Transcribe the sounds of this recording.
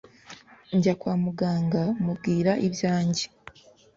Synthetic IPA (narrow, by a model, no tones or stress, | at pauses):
ɲɟakwaːmuɡaːŋɡamub̚ɡiːɾaʔiβjaːɲɟe